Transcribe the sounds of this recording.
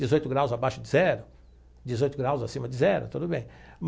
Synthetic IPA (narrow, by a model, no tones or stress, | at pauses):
d͡ʒɪzojt̪ʊɡɾawzabaʃʊd͡ʒɪzɛɾʊ | d͡ʒɪzojt̪ʊɡɾawzasĩmɐd͡ʒɪzɛɾʊ̰t̪ud̪ʊbẽj̃m